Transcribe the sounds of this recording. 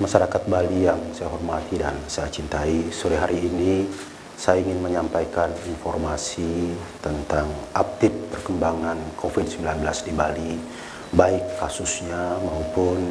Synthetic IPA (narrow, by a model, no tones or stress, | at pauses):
maʃaɾakat̪̚balijaŋsajaɦɔrmat̪idansajat͡ʃint̪aisoɾɛɦaɾiːni | sajaiŋɪnməɲampajkaninfɔrmasit̪ənt̪aŋʔap̚t̪ɪpːərkəmbaŋankʰofid̚səmbilanbəlasdibali | baɪkːasusɲamaupʊn